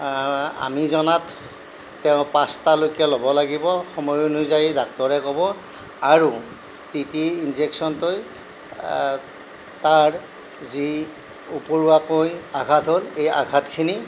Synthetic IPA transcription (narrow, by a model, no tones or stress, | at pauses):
a̰mizɔnatː | ɛʊ̃pastalojkɛlobɔlaɡibɔxɔmɔjunuzajidak̚tɔɹɛkɔbɔ | aɹu | titiinzeksɔntoj | taɹ | zi | upɔɹuakojaɡʱatɦoleja̰ɡʱatkʰini